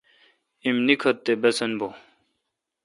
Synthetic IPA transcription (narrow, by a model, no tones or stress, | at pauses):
imnikʰɐt̪ːebɐsɐnbo